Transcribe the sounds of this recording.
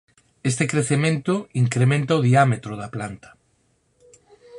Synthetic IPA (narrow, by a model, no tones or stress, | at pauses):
est̪ekɾeθemẽnt̪ʊiŋkɾemẽnt̪aoðiamet̪ɾʊðɐplant̪ɐ̥